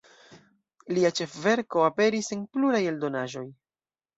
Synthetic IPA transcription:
liat͡ʃe̞fve̞ɾko̞ape̞ɾisenpluɾaje̞ldo̞naʒo̞j

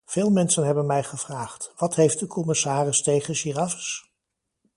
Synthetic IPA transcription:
v̥ɪːlˠmɛnsənɦɛbənmɛjχəv̥raːχtʋɑtɦejft̚dəkʰɔmɪsaːrɪstejχənʃirɑvə̥s

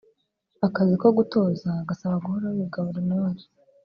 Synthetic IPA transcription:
akaziko̞ɡuto̞ːzaɡasaβaɡuhoɾawiɡaβuɾanaaɾi

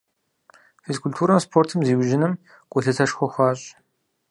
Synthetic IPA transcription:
feskʰultʰuːɾɐmspʰoːrtʰɨmziːwʒɪnɨm | kʷʼʊɬɨtʰɐʃxʷɔxʷɑːɕʼ

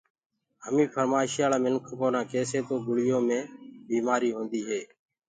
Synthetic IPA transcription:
ɦəmĩːpʰəɾmaːʃɪjaːlaːmɪnkʰkoːnãːkeːseːt̪oːɡʊɽɪjoːmẽːbiːmaːɾiːɦõːnd̪iːɦeː

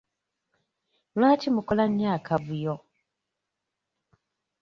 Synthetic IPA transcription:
lwaːcimukolaɲːaːkʰaβujo

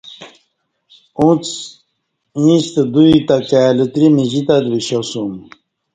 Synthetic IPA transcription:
ũt͡s | ĩɕt̪ed̪uit̪akalət̪ɾimiʑit̪ad̪biɕosum

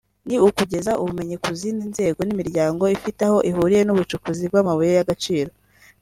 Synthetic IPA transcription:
niukuɟe̞zaʔuβume̞ɲekuzininze̞ːɡo̞nimiɾɟaːŋɡo̞ifitaho̞ʔiɦuːɾije̞nuβut͡ʃukuzib̚ɡamaβujejaɡat͡ʃiːɾo̞

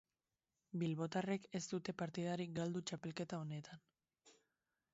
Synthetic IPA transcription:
bilβo̞t̪are̞ke̞st̪ut̪e̞paɾt̪ið̞aɾikɡald̪ut͡ʃape̞lke̞t̪ao̞ne̞t̪an

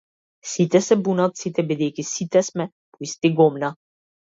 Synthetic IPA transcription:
sit̪ɛsɛbunat̪sit̪ɛbɛd̪ekisit̪ɛsmɛ | poist̪iɡomna

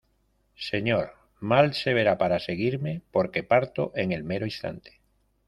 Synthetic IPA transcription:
se̞ɲoɾ | malse̞β̞e̞ɾapaɾase̞ɣ̞iɾme̞po̞ɾke̞paɾt̪oʔe̞ŋe̞lmeɾoist̪a̰nt̪e̥

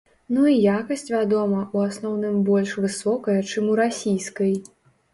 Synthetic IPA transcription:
nuijakɐsʲt͡sʲvʲad̪ɔmɐʔuasnɔwnɨmbɔlʲʂvɨsɔkɐjɐt͡ʂɨmuɾasʲijskɐj

